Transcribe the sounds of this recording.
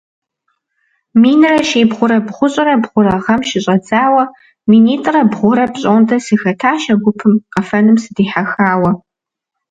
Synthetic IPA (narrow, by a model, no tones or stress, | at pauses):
miːnɨrɐʃeːbʁʷʊɾɐbχʷʊɕʼɐɾɐbʁʷʊɾɐʁɐmʃɪɕʼɐd͡zaːwɐ | miːniːtʼrɐbʁʷʊɾɐpɕʼondʰɐsɨxɐtʰaːʃɐɡʷʊpʰɨmqɐfɐnɨmsɨdiːħaxaːwɐ